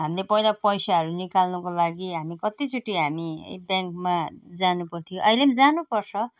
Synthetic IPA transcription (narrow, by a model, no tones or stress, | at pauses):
ɦamlepʌjlapʌjsaɦʌɾunikalnʌkolaɡiɦamikʌt̪it͡suʈiɦamḭbjaŋkmad͡zanupʌrt̪ʰijõʔʌjlemd͡zanupʌrsʰʌ